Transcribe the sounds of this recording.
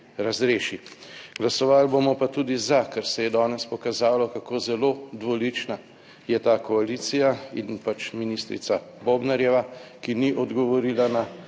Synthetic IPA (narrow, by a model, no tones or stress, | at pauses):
ɾazɾeːʃiɡ̥lasɔʋalbomɔpat̪uːd̪izakaɾsɛjɛd̪ɔːnɛspɔkazaːlɔkakoːzɛloːd̪ʋɔlit͡ʃna | jɛt̪aːkɔaliːt̪sijainpat͡ʃminist̪ɾḭt̪saboːbnɛɾjɛʋakiniʔɔd̪ɡɔʋɔɾilana